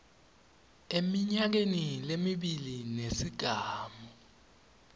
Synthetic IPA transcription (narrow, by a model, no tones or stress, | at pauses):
emiɲak̬enilemiɓilinesiɡ̥ʱaːmɔ